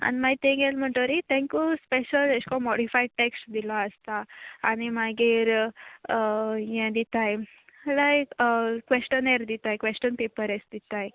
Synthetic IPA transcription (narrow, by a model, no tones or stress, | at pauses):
a̰nmat̪ẽɡelm̤əɳt̪oɾit̪ɛ̃ŋkuspeɕəleskɔmɔɽifajɖʈeksʈd̪ilaəst̪aːɽ̃imaɡiːɾ | jɛ̃d̪it̪aj | lajkʋesʈəneɾd̪it̪ajkʋesʈənpepəɾesd̪it̪aj